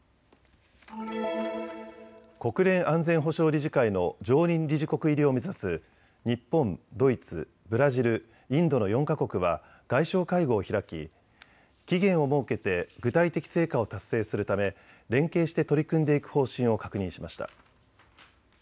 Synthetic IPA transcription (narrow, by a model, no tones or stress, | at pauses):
ko̞kɯ̟ɾẽ̞ɰ̃ʔãnd͡zẽ̞ɰ̃ɦo̞ɕo̞ːɾʲiʑikaino̞d͡ʑo̞ːɲʲĩnɾʲiʑiko̞kɯ̟iɾʲio̞me̞zasɨ | ɲ̟ipːõ̞nd̪o̞it͡sɨ̰ | bɯ̟ɾaʑiɾɯ̟ | ĩnd̪o̞no̞jõ̞ŋkako̞kɯ̟βa̰ | ɡ̥aiɕo̞ːkaiɡo̞ːçiɾakʲḭ | kʲiɡẽ̞ɰ̃o̞mo̞ːke̞t̪e̞ɡɯ̟t̪ait̪e̞kʲi̥se̞ːkao̞t̪asːe̞ːsɨɾɯ̟t̪ame̞ | ɾẽ̞ŋke̞ːɕi̥t̪e̞t̪o̞ɾʲikɯ̟̃nd̪e̞ikɯ̟̥ho̞ːɕĩɰ̃o̞kḁkɯ̟ɲ̟ĩɕimaɕi̥t̪a̰